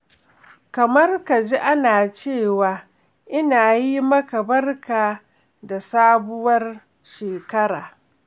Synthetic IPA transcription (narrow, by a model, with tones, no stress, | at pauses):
kɐ˨mɐ˦rka˨d͡ʒi˦ʔa˦naː˨t͡ʃeː˦˨waː˨ | ʔɪ˦naː˨ji˦mɐ˦ka˨bɐ˦rkaː˨ | da˨saː˦bʊ˦wɐ˦r | ʃeː˨kɐ˦ɾaː˨